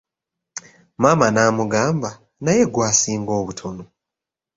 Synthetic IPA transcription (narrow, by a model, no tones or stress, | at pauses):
maːmanaːmuɡaːmba | naje̞ɡwaːsiːŋɡo̞ːβutʰono